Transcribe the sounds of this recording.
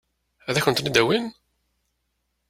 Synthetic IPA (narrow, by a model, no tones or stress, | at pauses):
æðæçənt̪nid̪æwin